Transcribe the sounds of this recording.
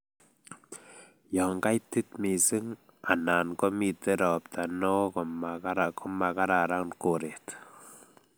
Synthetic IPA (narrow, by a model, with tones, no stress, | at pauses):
jɔ˨ŋ˨ka˦jti˦t̚mi˨si˦ŋ | a˨na˨nkɔ˦mi˨te˦ɾɔ˨pta˨nɔ˦kɔ˨ma˨ka˦ɾa˨kɔ˦ma˨ka˦ɾa˨ɾa˦nko˨ɾe˨t